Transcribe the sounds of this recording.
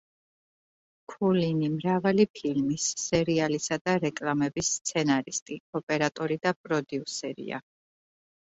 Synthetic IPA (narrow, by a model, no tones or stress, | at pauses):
kʰulinimɾavalipʰilmisːɛɾialisad̪aɾɛkʼlamɛbisːt̪sʰɛnaɾist̪ʼiɔpʼɛɾat̪ʼɔɾid̪apʼɾɔd̪iusɛɾḭa̰